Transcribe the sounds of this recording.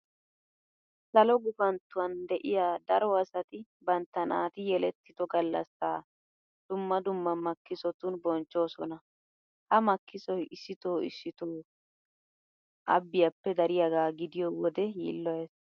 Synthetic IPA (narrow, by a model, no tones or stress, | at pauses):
sɐlɔɡʊfɐnt̪ːʊwɐnd̪ɛʔɪjaːd̪ɐɾɔɐsɐt̪ɪ | bɐnt̪ːɐna̰ːt̪ɪjɛlɛt̪ːɪd̪ɔɡɐlːɐ̰sːaː | d̪̥ʊmːɐd̪ʊmːɐmɐkːɪsɔt̪ʊnbɔnt͡ʃːo̞ːsɔnɐ | hɐmɐkʰːɪsɔjɪsːɪt̪oːɪ̰sːɪt̪oː | ʔɐ̰bːɪjɐpːɛd̪ɐɾɪjɐɡaːɡɪd̪ɪjɔwɔd̪ɛjḭːlːɔjeːs